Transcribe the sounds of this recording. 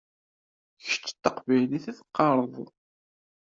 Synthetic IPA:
ç̥t͡ʃːt̪ːɑqvæjliθæθqːɑɾˤəðˤ

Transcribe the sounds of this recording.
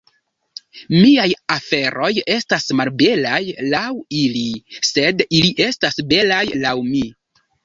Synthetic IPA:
miajafe̞ɾo̞je̞stasmalbe̞lajlawilise̞diliʔe̞stasbe̞lajlawmi

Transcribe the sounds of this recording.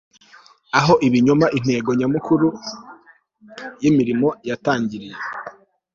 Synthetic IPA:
aɦo̞ʔiβiɲomaʔin̥he̞ːɡo̞ɲamukʰuɾu | jimiɾimo̞jataːɲɟiɾije

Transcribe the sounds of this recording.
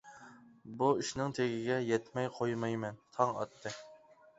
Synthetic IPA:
buiʃnɪŋt̪ʰeɡʲɪɡʲɛjɛt̪mɛjqʰojmɑjmɛnt̪ʰɑŋɑ̰t̪ʰːɨ

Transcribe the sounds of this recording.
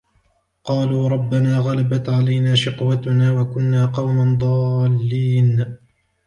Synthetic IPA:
qɑːluːɾˤɑbːanaːɣalabat̪ʕalajnaːʃɪqwat̪ʊnaːwakʊnːaːqɑwmand̪ˤɑːlːiːn

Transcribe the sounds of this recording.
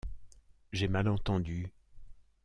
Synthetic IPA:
ʒemalɑ̃t̪ɑ̃d̪y

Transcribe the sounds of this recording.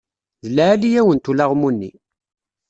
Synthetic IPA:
ðəlʕælijæwənt̪ulaʁmunːḭ

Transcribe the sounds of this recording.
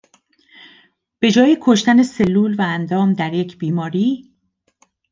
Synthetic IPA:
b̥e̞d͡ʒɒːjekʰo̞ʃt̪æne̞se̞lːuːlvæːnd̪ɒːmd̪æɾje̞cʰb̥iːmɒːɾiː

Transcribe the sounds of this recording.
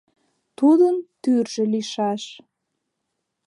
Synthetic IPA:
t̪ud̪ənt̪yrʒĕliʃɑʃ

